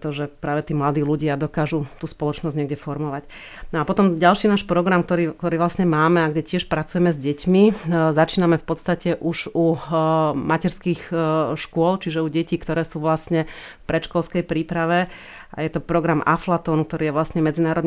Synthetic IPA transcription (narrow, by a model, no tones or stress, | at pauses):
t̪ɔʒɛpɾaːʋɛt̪iːmlad̪iːluɟɪad̪ɔkaːʒut̪uːspɔlɔt͡ʃnɔzɟɲɛɡɟɛfɔɾmɔʋac | nɔapɔt̪ɔmɟalʃiːnaːʃpɾɔɡɾamk̚t̪ɔɾiːkt̪ɔɾiːʋlasɲɛmaːmɛaɡɟɛcɪɛʃpɾat͡sujɛmɛzɟɛcmizat͡ʃiːnamɛfpɔt̪st̪acɛʔuʒu | macɛɾskixʃkʊɔlt͡ʃiʒɛuɟɛciːkt̪ɔɾɛːsuːʋlasɲɛ | fpɾɛʃkɔlskɛjpɾiːpɾaʋɛ | ʔa̰jɛt̪ɔpɾɔɡɾamʔa̰flat̪ɔːnuk̚t̪ɔɾiːjɛʋlasɲɛmɛd͡zinaːɾɔd̪